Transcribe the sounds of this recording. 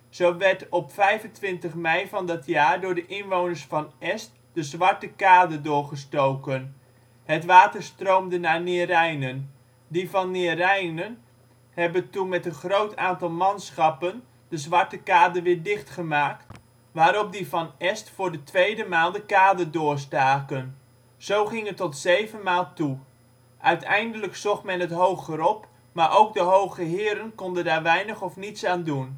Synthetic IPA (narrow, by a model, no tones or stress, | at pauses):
z̥owʋɛɹtɔpfɛjvəntʋɪntəχmɛjvɑndɔtʰjaːɹdʊːɹdəʔɪnʋownəɹsfɑnʔɛst̚ | dəzʋɑɹtəkaːdədʊːɹχəstowkən | ɦətʋaːtəɹstrowmdənaɹnɪːrɛjnən | divɑnːɪːrɛjnən | hɛbətunmɛtənχrowtʰaːntɑlˠmɑnsχɑpən | d̥əzʋɑɹtəkaːdərʋɪːɹdɪχtχəmaːk̚t | ʋaːɾɔp̚divɑnɛstfʊːɹdətʋejdəmaːlˠdəkaːdərdʊːɹstaːkən | z̥owχɪŋətːɔtzejvənmaːlˠtu | ʔœɥtʰɛjndələksɔχmɛnɦətɦowχəɾɔp | maːɹʔowk̚dəɦowɣəɦɪːəɾənkɔndəndaːɹʋɛjnəχɔfnitsaːndun